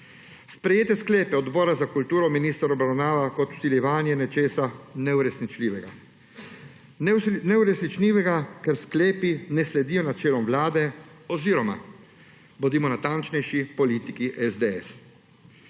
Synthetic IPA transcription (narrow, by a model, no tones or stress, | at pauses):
spɾɛjeːt̪ɛsklɛːpɛɔd̪bɔːɾazakult̪uːɾɔminiːst̪aɾɔbɾawnaːʋakɔt̪u̥siljɛʋaːnjɛnɛt͡ʃeːsanɛuɾɛsnit͡ʃliːʋɛɡa | nɛuɾɛsnit͡ʃliːʋɛɡakɛɾskleːpinɛslɛd̪iːjɔnat͡ʃeːlɔmʋlaːd̪ɛɔziɾɔma̰ | bɔd̪iːmɔnat̪ant͡ʃnɛjʃipɔliːt̪ikiʔɛzd̪ɛɛ̰s